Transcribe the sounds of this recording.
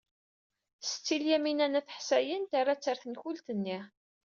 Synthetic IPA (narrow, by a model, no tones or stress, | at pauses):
st͡sːiljæminænæθə̥ħsæjənt̪arːat͡sːəɾθənçult̪ənːi